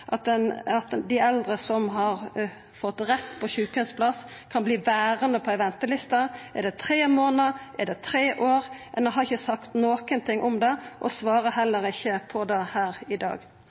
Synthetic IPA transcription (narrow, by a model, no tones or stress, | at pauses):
ʔɑt̪̚d̪ɛnɑt̪d̪ɪɛld̪ɾəsɔmɦɑɾ | fɔt̪ːɾɛt̪ːpʰɔçʉːkənspʰlɑskʰɑnbliːʋæːɾənd̪əpʰɔɛʋɛnt̪əlɪst̪ɑʔɛɖ̪ɛt̪ʰɾeːmoːnəʔɛd̪ɛt̪ʰɾeːʔoːɾmʔɛnɛɦɑɾɪçːəsɑkt̪noːkənt̪ʰɪŋːʔɔmd̪ɛʔɔsʋɑːɾəɦɛlːəɾɪçːəpʰɔd̪ɛhæːɾɪd̪ɑ̰ːɡ